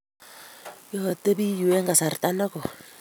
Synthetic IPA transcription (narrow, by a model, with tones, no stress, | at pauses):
jɔ˨te˦bi˦ju˨wɛ˦ŋɡa˨sa˨rta˦nɔ˦kɔ˨